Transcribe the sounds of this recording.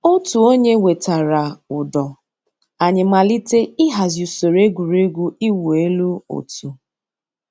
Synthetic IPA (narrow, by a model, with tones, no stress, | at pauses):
o˦tu˨o˦ɲe˦we˨ta˨ɾa˨ʊ˨dɔ˨ | a˨ɲɪ˨ma˨li˦te˦ɪ˦ɦa˨zju˨so˨ɾe˦ɡʷu˨ɾe˦ɡʷu˦i˦wu˨e˦lu˦o̰˨tu˨